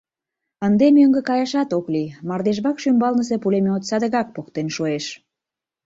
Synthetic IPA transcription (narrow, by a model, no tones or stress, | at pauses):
ənd̪emøŋɡə̆kɑjɑʃɑt̪oklimɑrd̪eʒβɑkʃymbɑlnəs̬epulemeot̪sɑd̪əɣɑk̚pokt̪enʃoeʃ